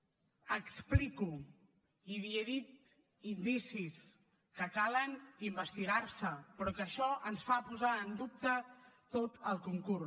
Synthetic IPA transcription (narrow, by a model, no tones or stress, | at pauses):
əkspliku | iβieðit̪ | ind̪isis | kəkalənimbəst̪iɣ̞arsəpɾɔkəʃɔʔənsfapuzaənd̪up̚t̪ət̪ot̪əlˠkuŋkur